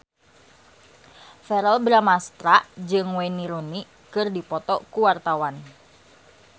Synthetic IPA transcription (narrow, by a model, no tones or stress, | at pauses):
fɛɾɛlbɾamast̪ɾad͡ʒɨŋwɛniɾuni | kɨrdipɔt̪ɔkuwart̪awan